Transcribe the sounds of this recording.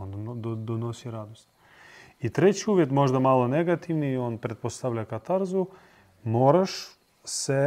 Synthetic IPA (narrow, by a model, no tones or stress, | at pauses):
ond̪d̪onosiɾad̪ost̪ | it̪ɾet͡ɕiuʋjet̪mo̞ʒd̪amalˠoneɡat̪iʋnioːnpɾet̪̚post̪aʋʎakat̪aɾzu | moːɾaʃ | se